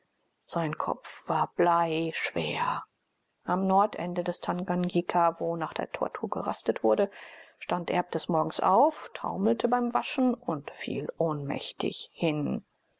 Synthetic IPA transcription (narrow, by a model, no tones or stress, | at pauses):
z̥aɪnkʰɔ̰pp͡fv̥aːɐb̥laɪʃv̥eːɐ | ʔamnɔɐtʔɛndədɛstʰanɡanɡikʰavoːnaːχd̥ḛːɐtʰɔ̰ɐtʰuːɐɡə̰ʁa̰stətv̥ʊɐdəʃtantʔɛ̰ɐp̚d̥ɛsmɔɐɡŋ̩sʔa̰ʊftʰa̰ʊml̩tʰəbaɪmvaʃn̩ʊntfḭːlʔoːnmɛ̰çtʰɪ̰çhɪn